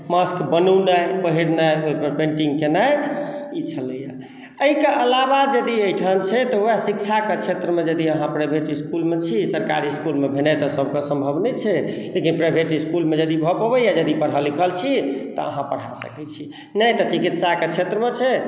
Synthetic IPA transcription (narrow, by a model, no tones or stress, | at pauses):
məskbənəwnəjpəɦiɾnəjoipəɾpẽɳʈiŋɡkenajit͡ʃʰələja | əɦikeʔəlabad͡ʒəd̪iəjʈʰənt͡ʃʰɛt̪ɔɦoasik̚t͡ʃʰaket͡ʃʰet̪ɾəmed͡ʒəd̪iəɦãpɾajbʱeʈiskulmet͡ʃʰisəɾka̰ɾiskulmebʱenɛt̪ɔsəb̚kesə̃mbʱəbnɛt͡ʃʰɛlekinpɾajbʱeʈiskulmed͡ʒəd̪ibʱɔpɔbəjad͡ʒəd̪ipəɽ̤alikʰəlt͡ʃʰit̪ɔ̰ə̰ɦãpəɽ̤a̰sə̰kɛt͡ʃʰi | nəjt̪ɔt͡ʃikit̪saket͡ʃʰet̪ɾəmet͡ʃʰɛ